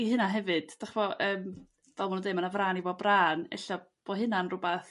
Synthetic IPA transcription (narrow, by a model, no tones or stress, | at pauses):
iɦɨnaɦɛvɨd̥d̥aχvɔʔəːm | vɛlˠmanundejmanavraːnivɔbraːnɛ̰ɬɔ | b̥oɦɨnanrʊbaθ